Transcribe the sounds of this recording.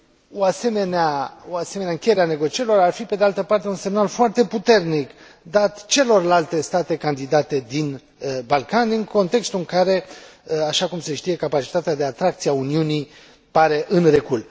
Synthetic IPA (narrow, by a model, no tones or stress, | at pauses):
oase̞me̞neaoase̞meneaɨŋkʲejeɾeane̞ɡo̞t͡ʃieɾilo̞ɾarfipe̞d̪ealt̪əpart̪e̞unse̞mnalfoart̪e̞put̪e̞rnik | d̪at̪t͡ʃe̞lo̞rlalt̪e̞st̪at̪e̞kand̪id̪at̪e̞d̪in | balkanɨŋko̞nt̪e̞kst̪uɨŋkaɾe̞aʃakumse̞ʃt̪ije̞kapat͡ʃi̥t̪at̪ead̪e̞at̪ɾakt̪sieauniunij | paɾe̞ʔɨnrekul